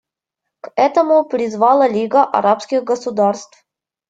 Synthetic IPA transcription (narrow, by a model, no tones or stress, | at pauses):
kɛt̪əmʊpɾʲɪzvɑlˠəlʲiɡəʔɐ̰ɾapskʲɪɣɡəsʊd̪arst̪f